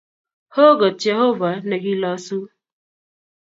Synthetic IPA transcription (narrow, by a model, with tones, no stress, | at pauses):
ho˦ɡɐ˨t͡ʃe˦ɦo˦va˨nɐ˨ɡi˦la˦su˦